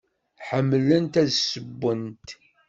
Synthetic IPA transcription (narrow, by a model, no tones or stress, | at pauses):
ħəmːlənt̪æðsəbːənt̪